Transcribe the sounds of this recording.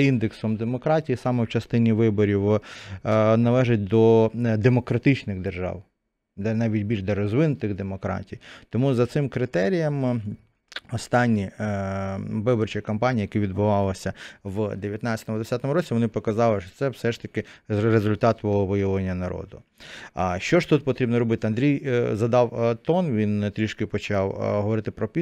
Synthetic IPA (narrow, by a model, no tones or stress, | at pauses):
ind̪eksɔmd̪emɔkɾɑtʲijisɑmɛwt͡ʃɐst̪ɪnʲiʋɪbɔɾʲiw | nɐlˠɛʒɪt̚ʲd̪ɔd̪emɔkɾɐt̪ɪt͡ʃnɪɣd̪erʒɑ̰w | d̪ɛnɑʋʲitʲbʲilʲʒd̪ɐɾɔzʋɪnʊt̪ɪɣd̪emɔkɾɑ̰tʲijt̪ɔmuzɐt̪sɪmkɾɪt̪ɛɾʲijɐm | ɔst̪ɑnʲːi | ʋɪbɔrt͡ʃikɐmpɑnʲijɐjɐkiʋʲid̪bʊʋɑlˠɐsʲɐʋd̪eʋʲjɐt̪nɑt͡sʲɐ̥t̪ɔmʊd̪esʲat̪ɔmʊɾɔt͡sʲiʋɔnɪpɔkɐzɑlˠɪʃt͡ʃɔ̥t̪sɛwsɛʂt̪ɐkɪɾezʊlʲt̪ɑt̪bɔɦɔʋɪjɐlˠenʲːɐnɐɾɔ̰d̪ʊ | ʃt͡ʃɔʒt̪ut̪̚pɔt̪ɾʲibnɔɾɔbɪt̪ɪɐnd̪ɾʲijzɐd̪ɑwt̪ɔnʋʲint̪ɾʲiʃkɪpɔt͡ʃɑwɦɔʋɔɾɪt̪ɪpɾɔpʲi